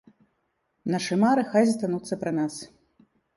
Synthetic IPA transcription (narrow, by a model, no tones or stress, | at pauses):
naʂɨmaɾɨxajzʲst̪anut̪sːɐpɾɐnas